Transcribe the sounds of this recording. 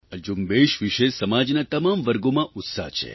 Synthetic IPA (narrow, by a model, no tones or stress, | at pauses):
əd͡ʒumbeʃʋiʃesəmad͡ʒnat̪əmamʋəɾɡomãʔʊt̪sa̰ɦt͡ʃʰḛ